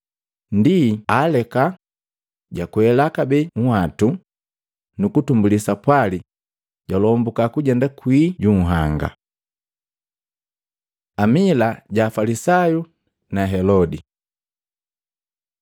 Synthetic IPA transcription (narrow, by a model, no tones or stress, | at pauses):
ndialɛka | ɟakuɛlakabɛŋ̩watu | nukutumbulisapwali | ɟ̥alɔːmbukakuɟɛndakwiːɟuŋ̩ɦaŋɡa̰ | amilaɟaːfalisaju | naɦɛlɔdi